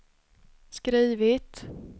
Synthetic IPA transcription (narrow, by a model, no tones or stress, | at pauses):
skɾiːvɪt̪